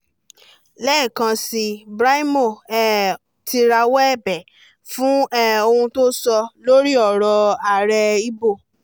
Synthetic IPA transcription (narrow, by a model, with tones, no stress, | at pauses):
lɛ˦˨kã˧si˧bɾa˦i˦mo˦˨ɛ˦ | tʰi˧ɾa˧wɛ˦ɛ˦˨bɛ˨ | fũ˦ɛ˦o˧ũ˧to˦sɔ˧lo˦ɾi˦ɔ˦˨ɾɔ˧a˨ɾɛ˧i˦bo˦˨